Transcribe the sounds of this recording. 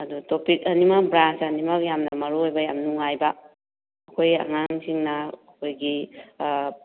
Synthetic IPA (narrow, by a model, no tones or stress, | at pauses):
ɐdutopik̚ɐnimɐbɾansɐnimɐjamnɐmɐɾuojbɐjamnuŋajbɐː | kʰoja̰ŋaŋsiŋnɐː | kʰojɡi